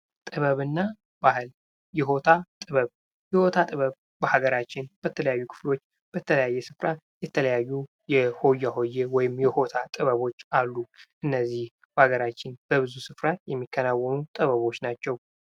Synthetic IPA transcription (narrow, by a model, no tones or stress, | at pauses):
t̪ʼɨβəβɨnːa | bahɨl | jɛɦo̞t̪ʰat̪ʼɨβəβ | jɛho̞t̪ʰat̪ʼɨβəβ | bəhaɡəɾat͡ʃːɪnb̥ət̪ʰələjajːukʰɨ̥flo̞t͡ʃː | b̥ət̪ʰələjajːɛsɨfɾajɛt̪ʰələjajːu | jɛho̞jːaɦo̞jːewɔjɪmjɛho̞t̪ʰat̪ʼɨβəβo̞t͡ʃːalːuʔɨnːəzːih | bhaɡəɾat͡ʃːɪnb̥əβɨzusɨfɾajɛmːikːənawːɔmut̪ʼɨβəβo̞t͡ʃːnat͡ʃːɛw